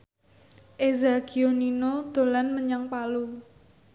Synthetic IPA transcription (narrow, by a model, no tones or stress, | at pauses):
ʔezakioninod̪̥o̤lanməɲaŋpalu